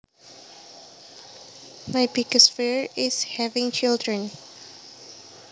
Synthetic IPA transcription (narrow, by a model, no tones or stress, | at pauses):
majbiɡəsfiɹɪshɛvɪ̃ŋt͡ʃɪldɹə̃n